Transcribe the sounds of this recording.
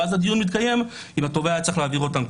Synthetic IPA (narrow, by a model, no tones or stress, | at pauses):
azhad̪ijunmit̪kaje̞m | imhat̪o̞veat͡saχlaːviʁo̞t̪amk